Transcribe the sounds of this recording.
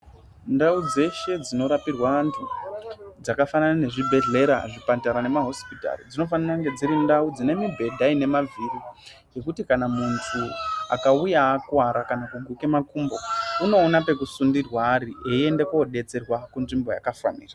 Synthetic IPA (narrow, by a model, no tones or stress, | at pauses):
ndaud͡ze̞ʃe̞d͡zino̞ɾapirwaantʰu | d͡zakafananane̞ʐibʱe̞ɮe̞ɾa̰ʐipataɾane̞maɦo̞spita̰rid͡zino̞faniraŋɡe̞d͡ziɾindaud͡zine̞mibʱe̞dʱaine̞mavʱiri | je̞kutikanamuntʰua̰kaujaːkwaɾakanakuŋɡwike̞makumbo̞uno̞ːnape̞kusundirwaːɾieie̞ndekooɗe̞t͡se̞rwakunʐimbo̞ja̰kafa̰nḭːra